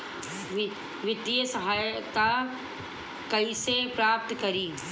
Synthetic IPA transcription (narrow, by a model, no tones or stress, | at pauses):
ʋɪt̪iəsɐɦaːjt̪a | kɐisepɾaːp̚t̪kɐɾiː